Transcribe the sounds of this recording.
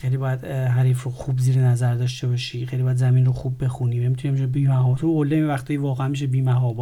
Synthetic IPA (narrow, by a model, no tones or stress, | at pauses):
xejliːbɒjæd̪ɦæɾiːfɾoxuːbziːɾenæzæɾd̪ɒːʃt̪e̞bɒʃiːxejlibːjæd̪zæminɾoxubːe̞xuniːmæmit̪ʰunemiʃebiːmæɦɒːbt̪ʰoolːemevæxt̪ʰɒːjvɒːɣæænmiʃ̬ebiːmæɦɒːbɔ